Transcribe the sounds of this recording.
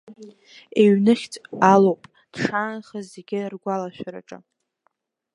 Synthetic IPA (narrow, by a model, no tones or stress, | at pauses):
eɥnɨχʲtʼalowpʼ | d̥ʂaːnχazeɡʲɪrɡʷalaʃʷᶣaɾa̰ʈ͡ʂʼɨ̰